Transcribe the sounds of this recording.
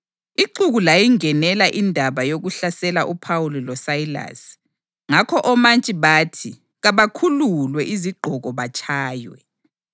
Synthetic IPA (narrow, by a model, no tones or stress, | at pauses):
iǃuɣulajiŋɛnɛlaʔindʱaβajoɣuɬasɛlaʔupʰawulilɔsaila̰s | ŋakʰɔʔɔmant͡ʃʼiβaːtʰi | ɣaβakʰululwɛʔiziɡ͡ǃʱɔɣɔβat͡ʃʼʰaːjwɛ̰